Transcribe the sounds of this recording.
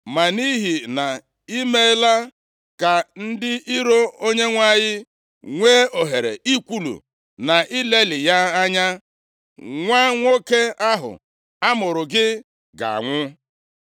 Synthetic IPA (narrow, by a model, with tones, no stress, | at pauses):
ma˨ni˦ɦi˨na˨ | i˦me˦la˦ | ka˨n̩˦dɪ˦i˦ɾo˦o˦ɲe˦ŋʷa˦˨ɲɪ˦ | ŋʷeː˦o˨ɦe˨ɾḛ˨i˦kʷu˦lṵ˨ | na˨i˦le˦lɪ˨ja˦a˦ɲa˦ | ŋʷa˦ŋʷo˦ke˦a˦ɦʊ̰˨ | a˦mʊ˨ɾʊ˨ɡɪ˦ | ɡa̰˨ŋʷʊ˦